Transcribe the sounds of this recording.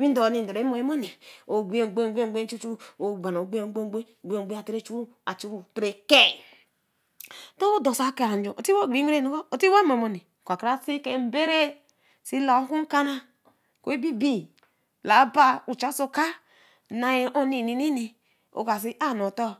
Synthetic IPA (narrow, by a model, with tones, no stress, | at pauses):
wi˦do˨ni˨n˨do˨ɾe˨˦mo˨e˦mo˦ni˨o˨ɡ͡bi˦e˦˨ɡ͡be˦˨ɡ͡bɡ͡be˦u˦t͡ʃu˦o˨ba˨no˨ɡ͡be˦o˨˦ɡ͡be˦ɡ͡be˦˨ɡ͡bʷe˦o˨ɡ͡be˦a˨te˦ɾe˦t͡ʃu˦u˦ | a˨t͡ʃu˦ɾu˨tɾe˨ke˦˨ | to˦o˦do˨sa˦ke˦˨ɾa˨n˨d͡ʒo˨o˨ti˦wo˦˨ɡ͡bi˨˦ɾe˦nu˨˦ko˦o˨ti˦wa˦mo˨mo˦ni˨ | kʷa˨ka˦si˦ke˨m̩˦be˦ɾe˦ | si˦la˨˦ku˦ŋ˦ka˦na˦ | ko˨i˦bi˦bi˦ | la˨˦ba˦u˨t͡ʃa˦so˦ka˦ | na˨je˦ʔo˦ni˨ni˨ni˦ni˨ | o̰˨ka˨s̬i˦ʔa˦˨no˨tɔ˦